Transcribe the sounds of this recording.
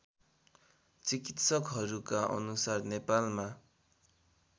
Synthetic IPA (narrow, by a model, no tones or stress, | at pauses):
t͡sikit̪sʌkɦʌɾukaʔʌ̰nusarnepalma